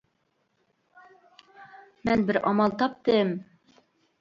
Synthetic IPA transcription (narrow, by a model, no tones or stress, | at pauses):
mænbɘɾʔɑmɑlˠt̪ɑp̚t̪ɤm